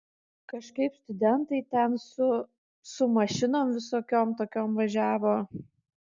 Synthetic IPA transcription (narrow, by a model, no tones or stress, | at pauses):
kɐʃkɐɪpst̪ʊd̪ʲɛnt̪ɐɪt̪ʲɛnsʊ | sʊmɐʃʲɪnoːmʋʲɪsoːkʲoːmt̪oːkʲoːmʋɐʒʲæːʋoː